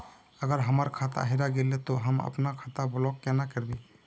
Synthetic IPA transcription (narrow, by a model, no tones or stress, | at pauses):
əɡəɾɦəməɾkʰat̪a̰ɦiɾaɡelet̪oɦəmə̰pnakʰat̪ablɔkːenakəɾbi